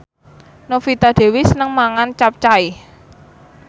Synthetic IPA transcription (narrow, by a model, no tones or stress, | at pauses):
nofit̪ad̪̥e̤wisənəŋmaŋant͡ʃap̚t͡ʃai